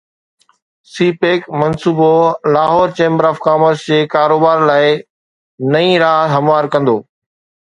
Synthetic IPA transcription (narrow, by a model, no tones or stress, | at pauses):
siːpeːkmɐnsuːbolaːɦɔːɾt͡ɕẽːmbəɾaːfkaːməɾsd͡ʑeːkaːɾoːbaːɾlaːɪ | nɐĩɾaːɦɐmʋaːɾkɐ̃nd̪oː